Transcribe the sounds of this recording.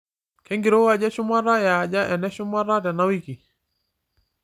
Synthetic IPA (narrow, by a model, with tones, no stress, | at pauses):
kɛ˦ŋɡi˨ɾo˦a˨ɟa˦ʃu˦ma˦ɾa˦ja˨ɟa˦ʔɛ˨nɛ˦ʃu˦ma˦ɾa˦tɛ˨na˦wi˦ki˨